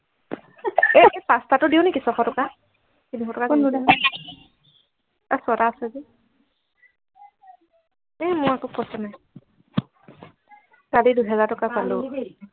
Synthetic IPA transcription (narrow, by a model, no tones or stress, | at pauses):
ɛɛsastatʊdiʊnekisɔkʰɔtɔka | kiniɔtɔka | asɔɾaːsɛzi | ɛmʊjakopɔsanaj | kaliduɦɛzaɹtɔkapalʊ